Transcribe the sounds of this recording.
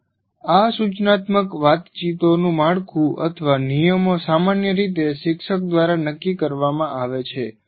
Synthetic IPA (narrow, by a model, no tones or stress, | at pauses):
asut͡ʃnat̪məkʋat̪t͡ʃit̪onũmaɽkʰũʔə̰t̪ʰəʋanijəmosamanjəɾit̪̬eʃɪkʃək̚d̪ʋaɾanəkːikəɾʋamãʔaʋet͡ʃʰe